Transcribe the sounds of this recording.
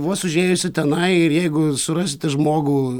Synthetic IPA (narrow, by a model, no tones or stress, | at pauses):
ʋoːsʊʒʲeːjʊsʲɪt̪ʲɛnɐɪɪrjɛɪɡʊsʊrɑsʲɪt̪ʲɪʒmoːɡuː